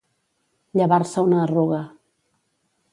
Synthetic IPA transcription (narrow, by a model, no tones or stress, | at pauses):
ʎəβaɾsəunəruɣə